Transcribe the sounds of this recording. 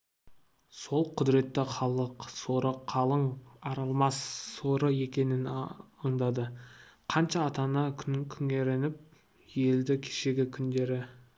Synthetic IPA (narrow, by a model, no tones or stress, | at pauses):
so̞lˠqʰʊd̪ɾe̞t̪ːɪχɑlˠəqso̞ɾəqʰːɑlˠəɴɑɾɑlˠmɑsːoɾəje̞kʲe̞nɪnəɴd̪ɑd̪əqʰɑnʃɑːt̪ɑnɑkʲʰʏŋʲe̞ɾe̞nɪp̚ | je̞ld̪ɪkʲʰe̥ʃe̞ɡʲɪkʲʰʏnd̪e̞ɾɪ